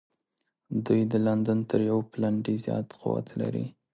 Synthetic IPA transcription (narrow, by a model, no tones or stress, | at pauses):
d̪ujd̪əland̪ant̪əɾjawplaɳɖizjɑ̰t̪qʊ̰wa̰t̪la̰ɾḭ